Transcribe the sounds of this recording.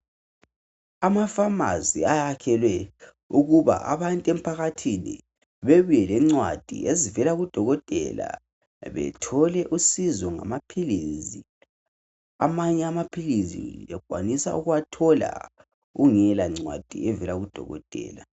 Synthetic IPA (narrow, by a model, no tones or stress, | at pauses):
amafama̰ziajakʰɛlwɛ | uɣuβa̰ʔa̰βantʼɛm̩pʰaɣatʰinḭ | βeβujɛlɛŋ͡ǀwa̰d̥ʱḭezivɛlaɣud̥ʱɔɣɔtʼɛ̰la̰ | βɛ̰tʰɔlɛʔusizɔŋa̰mapʰilizi | amaɲɛamapʰilizḭɛɡ̥ʱwa̰nisa̰uɣuwatʰɔla̰ | ɣuŋɛlaŋ͡ǀwa̰d̥ʱḭɛvɛlaɣud̥ʱɔ̰ɣɔ̰tʼɛ̰ːla